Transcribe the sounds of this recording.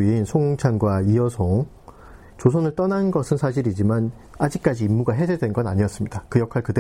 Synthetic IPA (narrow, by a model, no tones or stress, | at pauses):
iinsʰoŋoŋt͡ɕʰanɡwaiʌsʰoŋ | t͡ɕosʰonɯɭt͈ʌnanɡʌsʰɯnsʰaɕ̬ʰiɾid͡ʑiman | ad͡ʑik͈ad͡ʑiːmːuɡaɦe̞d͡ʑʰedwe̞nɡʌnaɲiʌs͈ɯmɲidakɯjʌkʰaɭkɯde